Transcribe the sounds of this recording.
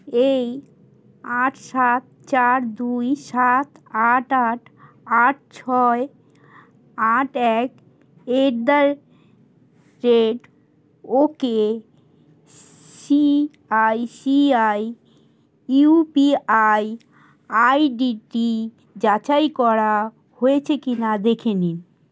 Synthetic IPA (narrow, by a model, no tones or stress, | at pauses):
ej | aʈʰʃat̪̚t͡ɕaɾd̪ujʃat̪aʈaʈʰ | aʈ̚t͡ɕʰɔe | aʈɛk | eɾd̪aɾ | ɾeʈ | oke | si | ajsiaj | upiaj | ajɖiʈi | d͡ʑat͡ɕajkɔɾa | hojet͡ɕʰekinad̪ekʰenin